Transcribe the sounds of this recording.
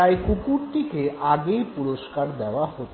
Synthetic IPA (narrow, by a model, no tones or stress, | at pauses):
ajkukuɽʈ̪ikeʔaɡeipuɽoskaɾd̪ɛʋahot̪